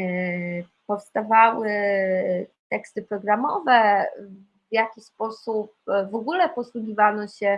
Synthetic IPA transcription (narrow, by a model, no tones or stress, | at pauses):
pɔfst̪avawɘ | t̪ɛkst̪ɘpɾɔɡɾamɔvɛ | vjakʲispɔsup̚vɔɡulɛpɔswuɡʲivanɔɕɛ